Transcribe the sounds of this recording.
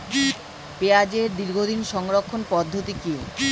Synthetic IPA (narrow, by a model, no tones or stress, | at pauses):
pead͡ʑeɾd̪iɾɡʱod̪inʃɔŋɾokʰːonpɔd̪ʱːot̪iki